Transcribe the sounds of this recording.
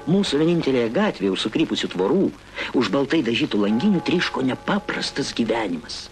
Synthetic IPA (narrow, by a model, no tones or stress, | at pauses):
muːsʊʋʲɛnʲɪnʲt̪ʲɛlʲeːjɛɡɑːt̪ʲʋʲeːjɛʊʃsʊkɾʲiːpʊsʲut̪ʋoːɾuː | ʊʒbɐlˠt̪ɐɪd̪ɐʒʲiːt̪uːlˠɐŋʲɡʲɪnʲʊt̪ʲɾʲiːʃkoːnʲɛpɑːpɾɐst̪ɐsɡʲiʋʲæːnʲɪmɐs